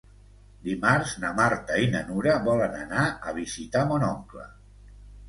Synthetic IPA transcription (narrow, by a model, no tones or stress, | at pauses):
d̪imarznəmaɾt̪əinənuɾəβɔlənanaəβ̞izit̪amonɔŋklə̰